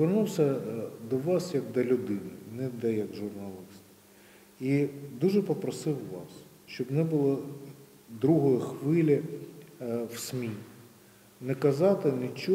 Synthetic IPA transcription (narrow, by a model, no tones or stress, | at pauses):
ʋernuwsʲɐd̪ɔʋɑsjɐɡ̚d̪ɐlʲʊd̪ɪnɪ̰nɛd̪ɐjɐɡʒʊrnɐlˠɪst̪ | id̪uʒɛpɔpɾɔsɪwʋɑs | ʃt͡ʃɔbnɛbʊlˠɔ | d̪ɾuɦɔjixʋɪlʲi | wsʲmʲi | nɛkɐzɑt̪ɪnɪt͡ʃɔ